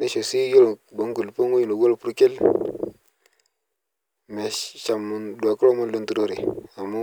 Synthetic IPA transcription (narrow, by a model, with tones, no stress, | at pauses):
ne˦ʃo˨si˦jo˦lbo˨˦ŋɡu˨lpo˦ŋu˦jno˨ɡo˦lpu˦ɾke˦l | me˨ʃa˨mu˨ndwa˨ku˦lo˦mo˦nlo˦ntu˨ɾo˦ɾi˨a˨mu˦